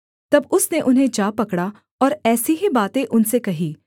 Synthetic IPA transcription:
t̪ɐbʊsneʔʊnɦẽd͡ʒaːpɐkɽa | ɔːɾɛːsiɦibaːt̪ẽʔʊnsekɐɦiː

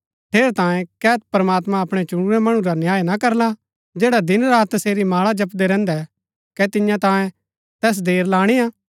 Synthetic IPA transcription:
ʈʰeːɾt̪ãːjẽkɛːt̪̚pɾɐmaːt̪mãɐpɽ̃ɛt͡ʃʊɽ̃uɾɛmɐɽ̃ũɾanjaːjnakɐɾla | d͡ʒeːɽad̪ɪnɾaːt̪ːɐseːɾimaːɭad͡ʒɐpd̪ɛɾɛ̃ːnd̪ɛ | kɛt̪ɪjãt̪ãːjẽ | t̪ɛːs̬d̪eːɾlaːɽ̃ijaː

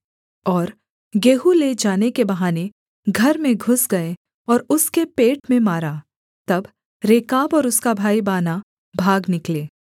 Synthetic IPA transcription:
ɔːɾ | ɡeːɦuled͡ʒaːnekebɐɦaːne | ɡʱɐɾmẽɡʱʊsɡɐe | ɔːɾʊskepeːʈmẽmaːɾaː | t̪ɐb | ɾeːkaːbɔːɾʊskabʱaːibaːna | bʱaːɡnɪkleː

